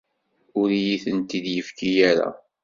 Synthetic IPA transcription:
ʊɾijiθənt̪id̪jəfkijæɾa̰

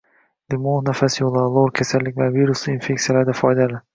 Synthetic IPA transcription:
lɪmonafasjolˠalˠoɾkʲʰasalːɪkʲvaviɾʊslɪinfe̞k̚ʲt̪ijalaɾd̪afɒjd̪alɪ

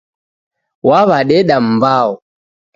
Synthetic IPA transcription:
waβaɗɛɗam̩baɔ

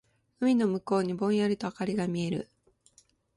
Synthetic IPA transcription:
ɯ̟mʲino̞mɯ̟ko̞ːɲ̟ibõ̞ɰ̃jaɾʲɯt̪o̞akaɾʲiɡamʲie̞ɾɯ̟̰

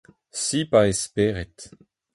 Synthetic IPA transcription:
sipaespeːʁɛt

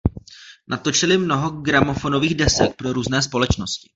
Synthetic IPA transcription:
nat̪o̞t͡ʃɪlɪmno̞ɦo̞ɡɾamo̞fo̞noviːɣdɛsɛk̚pɾo̞ɾuːznɛːspo̞lɛt͡ʃno̞scɪ̥

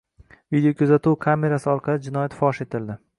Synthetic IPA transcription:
vid̪ejokʰʲʊzat̪uwkʰame̞ɾasɪɒɾqʰɑlɪd͡ʒɪnɒjat̪fɒʃe̞t̪ʰɪld̪ɪ

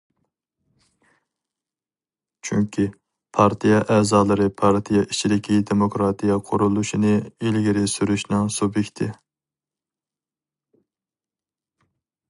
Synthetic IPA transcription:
t͡ʃʰyŋkʲʰi | pʰɑɾt̪ʰijɛʔɛːzɑːlˠɨɾɨpʰɑɾt̪ʰijɛʔit͡ʃʰid̪ɪkʲʰid̪emokɾɑt̪ʰijɑqʰʊɾulˠuʃinɨilɡʲiɾɪsyɾyʃnɪŋsubjekʲt̪ʰɪ

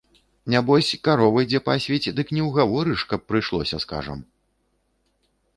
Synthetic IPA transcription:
nʲabɔsʲkaɾɔvɐjd͡zʲɛpasʲvʲɛt͡sʲd̪ɨknʲɛwɣavɔɾɨʂkɐpːɾɨjʂlˠɔ̰sʲɐska̰ʐɐ̰m

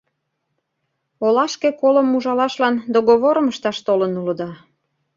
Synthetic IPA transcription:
olɑʃkekoləmuʒɑlɑʃlɑnd̪oɣoβoɾəməʃt̪ɑʃt̪olənulə̆d̪ɑ

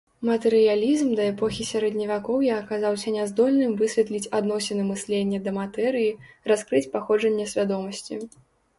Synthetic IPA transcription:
mɐt̪ɛɾɨjalʲizmd̪ɐɛpɔxʲisʲaɾɛd̪ʲnʲɐvʲakɔwjaːkazawsʲɐnʲɛzd̪ɔlʲnɨmvɨsʲvʲɛt̪lʲit͡sʲad̪nɔsʲɛnɐɨmɨsʲlʲenʲːɐd̪ɐmat̪ɛɾɨjiraskɾɨt͡sʲpaxɔd͡ʐɐnʲːɐsʲvʲad̪ɔmɐsʲt͡sʲḭ

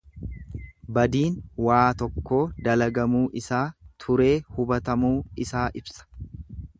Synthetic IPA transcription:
bɐd̪iːnwaːt̪ɔkːo̞ːd̪ɐlɐɡɐmuːʔɪsaːt̪ʰʊɾe̞ːhʊbɐt̪ɐmuːɪsaːʔɪbsɐ̥

